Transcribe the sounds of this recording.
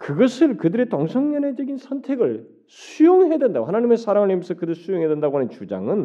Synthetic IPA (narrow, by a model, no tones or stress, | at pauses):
kɯɡʌsʰɯɭkɯdɯɾe̞tʌŋsʰʌŋɲʌned͡ʑʌɡinsʰʌntʰe̞ɡɯɭ | sʰujoŋɦedwendaɡohanaɲime̞sʰaɾaŋɯɭemʌsʰʌkɯdɯɭsʰujoŋɦedwendaɡoɦanɯnt͡ɕud͡ʑa̰ŋɯn